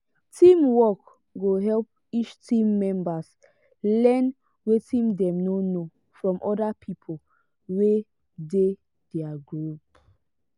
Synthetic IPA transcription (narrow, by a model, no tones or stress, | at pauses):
tʰĩmwɔk | ɡoɦɛlp̚ | it͡ʃtʰĩmːɛ̃mbas | lɛn | wetʰĩmdɛ̃mnono | fɹɔ̃mʔɔdapʰipʰol | we | de | dɛaɡɹup